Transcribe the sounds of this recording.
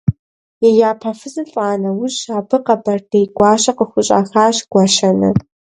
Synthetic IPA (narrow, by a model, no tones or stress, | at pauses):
jɛjaːpʰɐfɨzɨɬʼaːnɐwʊɕaːbʰɨqɐbɐrd̥ejɡʷɑːɕɐqəxʷʊɕʼa̰ːxaːɕɡ̥ʷɐʃɐnɨ̰